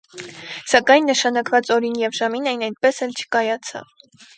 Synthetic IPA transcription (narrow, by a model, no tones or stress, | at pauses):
sɑkɑjnːəʃɑnɑkvɑt͡sɔɾinjɛvʒɑminɛjnɑj̪t̪̚pɛsɛlt͡ʃʰə̥kɑjɑt͡sʰɑ̰v